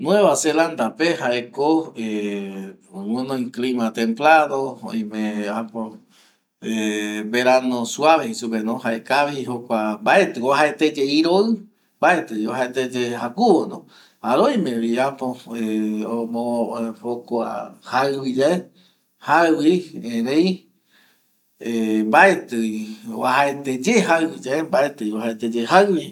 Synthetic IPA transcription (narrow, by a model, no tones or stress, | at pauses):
nw̃ẽβaseland̪apehaekoe | wẽnõĩklimãt̪ẽmplanoõ̰j̃mẽapo | ebeɾanõsuaβehisupenõhaekaβiɦokʷambae̞t̪ɨoɦaet̪ed͡ʒeiɾoɨ | mbae̞t̪ɨiohaet̪ed͡ʒehakuonõ̰ | aɾojmẽβiapoeomõhokoa̰haɨβid͡ʒae | hawiẽɾẽj | embaet̪ɨio̰aɦaet̪ed͡ʒehaɨwid͡ʒaembaet̪ɨiohaet̪ed͡ʒeɦaɨwi